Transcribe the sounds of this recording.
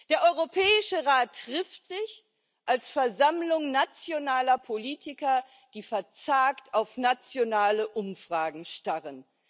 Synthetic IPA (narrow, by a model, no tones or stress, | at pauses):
d̥eːɐʔɔʏʁopʰɛːɪʃəʁaːtːʁ̥ɪftz̥ɪç | ʔalsfɛɐzamlʊŋnat͡sjonaːlɐpʰoliːtʰɪkɐ | d̥iːfɛɐt͡saːktʰaʊfnat͡sjonaːləʔʊmfʁ̥aːɡŋ̩ʃtaʁən